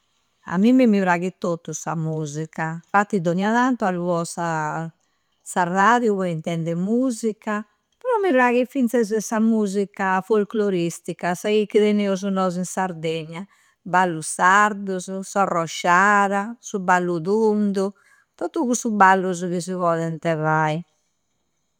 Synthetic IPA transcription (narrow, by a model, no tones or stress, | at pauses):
a̰mimːimivɾaːɣit̪ot̪ːusa̰muːzikafat̪ːid̪oniaðant̪ualuβɔsa | saraðjuβɔint̪ɛnd̪ɛmuːzikːa | pɛɾɔmːivɾaɣifint̪sɛzɛsamuːzikafolkloɾist̪ikasaɣikːiðɛneuzunɔːzinsaɾd̪ɛɲːa | balːusaɾd̪uzusarɔʃːaːɾasubalːuðund̪u | t̪ɔt̪ːuɣusubalːuzuɣizivɔːlɛnt̪ɛvai